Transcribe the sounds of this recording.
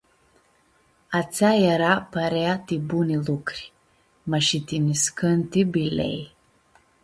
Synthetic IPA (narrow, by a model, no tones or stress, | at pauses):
at͡sajɛɾapaɾeat̪ibunilukɾʲ | məʃit̪iniskʰənt̪ibilḛj